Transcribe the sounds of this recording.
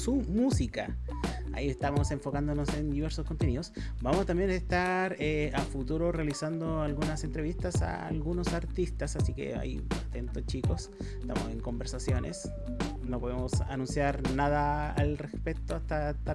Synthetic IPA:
sumusika̰a̰iest̪amo̞se̞ɱfo̞kand̪onose̞nd̪iβ̞e̞ɾsoskont̪eniðo̞s | bamosat̪ambje̞nest̪aɾeafut̪uɾore̞alisand̪oalɣunase̞nt̪ɾe̞βist̪asa̰lɣuno̞saɾt̪ist̪asasikḛa̰jat̪e̞nt̪ot͡ʃiko̞s | est̪a̰mo̞se̞ŋko̞mbe̞ɾsasjo̞nʔḛs | no̞po̞ðemosa̰nũnsjaɾnað̞aa̰lrespek̚t̪oast̪at̪a

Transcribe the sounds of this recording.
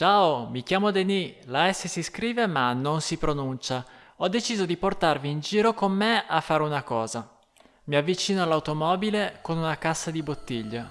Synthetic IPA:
t͡ʃaːomik̟jaːmod̪enilaɛsːesiskɾiːvemanonsipɾonunt͡ʃa | ɔd̪ːet͡ʃiːzod̪iport̪arviːnd͡ʒiːɾokomːeafːaːɾeunakɔːza | miavːit͡ʃiːnoalawt̪omɔːbilekonunakasːad̪ibot̪ːiʎːe

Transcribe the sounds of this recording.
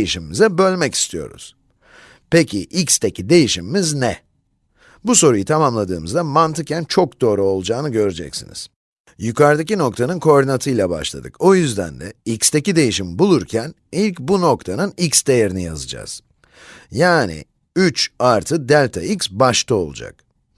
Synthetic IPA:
jiʃimimizɛbø̞lʲmɛci̥st̪ʰijo̞̰ɾṵz̥ | pe̞cʰiʔikst̪ʰecʰid̪e̞jiʃimimiznɛ | buso̞ɾujɯt̪ʰamamlˠad̪ɯːmɯzd̪amant̪ʰɯkcænt͡ʃʰo̞kd̪o̞ːɾuo̞lˠud͡ʒaːnɯɟø̞ɾed͡ʒɛ̰csḭnḭz̥ | jykaɾd̪ac̬ino̞kt̪ʰanɯnkʰo̞ɾd̪inat̪ʰɯjlˠaba̰ʃlˠa̰d̪ɯkojyzd̪æ̰nd̪ɛ̰ikst̪ʰe̞cid̪e̞jiʃimbulˠuɾcʰæn | ilʲcbuno̞kt̪ʰanɯnicsd̪e̞jeɾinijazɯd͡ʒa̰z̥ | jaːnḭ | yt͡ʃaɾt̪ʰɯd̪ælʲt̪ʰa̰iksbaʃt̪ʰao̞̰lˠṵd͡ʒa̰k̚

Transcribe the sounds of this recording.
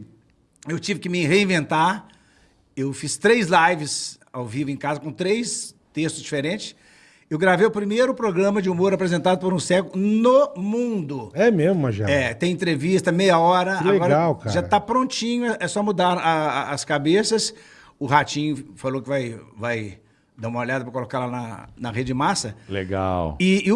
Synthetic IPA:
ewt͡ʃivɪkɪmɪɦeĩvẽnt̪aɾ | ewfist̪ɾejzlajvɪs | awvivʊẽkazɐkõt̪ɾejs | t̪est̪ʊzd͡ʒifeɾẽnt͡ʃɪ̥s | ewɡɾavejʊpɾimejɾʊpɾoɡɾɐ̃mɐd͡ʒɪumoɾapɾezẽnt̪ad̪ʊpoɾũsɛkʊnomũnd̪ʊɛmezmʊmɐʒiɛt̪ẽẽnt̪̬ɾevist̪ɐmejɐɔɾɐaɡleɔɾɡaɐwkaɾʒat̪apɾõnt͡ʃĩɲʊɛʔɛsɔmud̪aɾaːskabesɐs | ʊɦat͡ʃĩɲʊfalokɪvajvaj | d̪aũmɐoʎad̪ɐpɾɐkolokaɾlanɐ̰nɐɦed͡ʒɪd͡ʒɪmasɐlḛɡa̰wɪː

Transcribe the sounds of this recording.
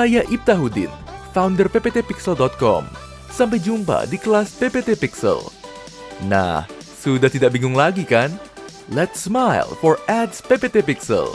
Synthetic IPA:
sajaʔip̚t̪aɦudɪ̰nfawndərpepet̪epiksəldɔt̪̚kɔ̰m | samp̬ajd͡ʒumpa̰dikəlaspepet̪epiksə̰l | na̰h | sudaht̪idak̚biŋʊŋlaɡikan | lɛt̪smajlfɔrɛdspepet̪epiksə̰l

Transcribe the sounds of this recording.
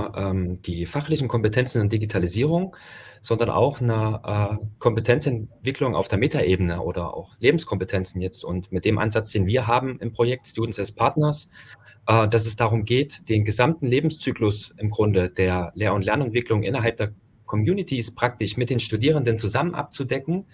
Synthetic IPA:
ʔɛːmd̥iːfaχlɪçn̩kʰɔmpətʰɛnt͡sn̩ʊntd̥iɡitʰaliziːʁ̞ʊŋz̥ɔndɐnʔa̰ʊxnəʔɛːkʰɔmpətʰɛnt͡sɛnv̥ɪklʊŋa̰ʊfd̥eːɐmeːtʰaʔeːbənəʔo̰ːdɐʔa̰ʊxleːbm̩skʰɔmpətʰɛnt͡sn̩jɛt͡stʊntmɪt̚d̥eːmʔa̰nzat͡sd̥eːnviːɐɦaːbm̩ʔɪmpʁ̥ojɛk̚tstuːdn̩sdɛspʰaɐtnɐsʔɛːd̥as̬ɛs̬d̥aːʁ̞ʊmɡeːtd̥eːnɡəzamtn̩leːbm̩st͡syːklʊsʔɪmɡʁʊndəd̥eːɐleːɐʊntlɛɐnɛntv̥ɪklʊŋʔɪ̰nɐɦalp̚d̥eːɐ | kʰɔmjuːnɪtʰispʁ̥ak̚tɪʃmɪt̚d̥eːnʃtudiːʁ̞əndənt͡suzamənʔa̰p̚t͡sudɛkŋ̩

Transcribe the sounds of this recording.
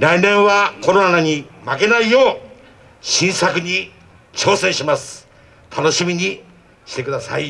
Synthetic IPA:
ɾainẽ̞ɰ̃βako̞ɾo̞nanaɲ̟imake̞naijo̞ː | ɕĩɰ̃sakɯ̟ɲ̟i | t͡ɕo̞ːsẽ̞ɰ̃ɕimasɨ̥ | t̪ʰano̞ɕimʲiɲ̟i | ɕi̥t̪e̞kɯ̟d̪asa̰i

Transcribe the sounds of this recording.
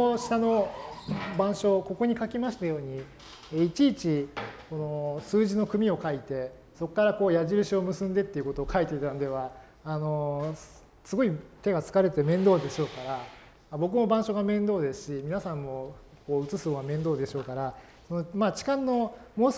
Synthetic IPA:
ɕi̥t̪ano̞ | bãɰ̃ɕo̞ko̞ko̞ɲ̟ikakʲimaɕi̥t̪ajo̞ːɲ̟i | eit͡ɕiːt͡ɕiko̞no̞sɨːʑino̞kɯ̟mʲio̞kait̪e̞ | so̞kːaɾako̞ːjaʑiɾɯ̟ɕio̞mɯ̟sɨ̃nd̪e̞t̪ːe̞iɯ̟ko̞t̪oːkʰait̪et̪anod̪e̞β̞aː | no̞ | sɨɡo̞it̪e̞ɡat͡sɨ̥kaɾe̞t̪emẽ̞nd̪o̞ːd̪e̞ɕo̞ːkaɾa | abo̞k̬ɯ̟mo̞bãɰ̃ɕo̞ɡamẽ̞nd̪o̞ːd̪e̞sɨ̥ɕimʲinasãmːo̞ | ko̞ːɯ̟t͡sɨsɨβamẽ̞nd̪oːd̪e̞ɕo̞ːkaɾa | sono̞maːt͡ɕi̥kãnːo̞mo̞ːs

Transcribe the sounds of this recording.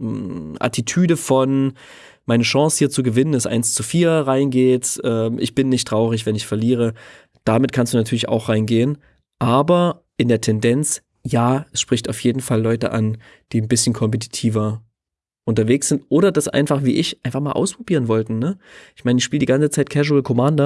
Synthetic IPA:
ʔa̰titʰyːdəfɔn | maɪnəʃɑ̃ŋshiːɐt͡suːɡəvɪnənɛsʔa̰ɪnst͡sufiːɐʁaɪnɡeːtʔɛːmʔɪ̰çb̥ɪnːɪçtʁ̥aʊʁɪç̬v̥ɛnɪçfɛɐliːʁə | d̥amɪt̚kʰanstd̥uːnatʰyːɐlɪça̰ʊxʁ̥aɪnɡeːən | ʔaːbɐ | ʔɪndeːɐtʰɛndɛnt͡s | jaːɛsʃpʁ̥ɪçtaʊfjeːdn̩falːɔʏtə̰ʔa̰n | d̥iːnbɪsçn̩kʰɔmpət̬ʰi̥tʰiːvɐ | ʔʊntɐveːksz̥ɪntʔoːɾɐdasʔa̰ɪnfaχv̥iːʔɪçʔaɪnfaχmaːlʔa̰ʊspʁ̥obiːɐʁənvɔltn̩ːəʔɪçmaɪnəɪçʃpiːlədiɡant͡sət͡saɪt̚kʰɛʒuəlkʰɔmaːndɐ

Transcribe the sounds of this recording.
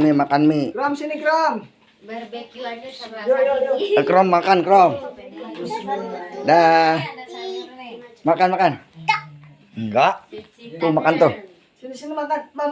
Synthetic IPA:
mimakanmikɾɔmsinikɾɔm | kɾɔmːakankəɾɔm | da | makanmakan | ŋɡaʔt̪umakant̪u | sinisinimat̪ama

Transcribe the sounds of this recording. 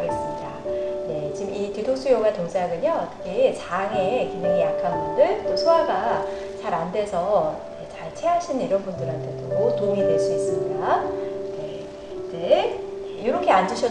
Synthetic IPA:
ɡe̞s͈ɯmɲida̰ne̞t͡ɕimititʰoks͈ujoɡatoŋs͈ʰeɦaɡɯɲoʌt͈ʌkʰe̞t͡ɕaŋe̞kindeŋijakʰanɡʌndɯɭt͈osʰoaɡa | t͡ɕaɾandwe̞sʰʌnet͡ɕaɭt͡ɕʰe̞ɦaɕʰinniɾʌnbundɯɾɦantʰe̞tootoŋidwe̞ɭs͈uis͈ɯmɲidane̞ | t͡ɕe | joɾʌkʰe̞and͡ʑuɕʰʌ

